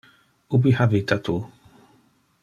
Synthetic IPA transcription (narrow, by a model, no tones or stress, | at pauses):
ubihavit̪at̪u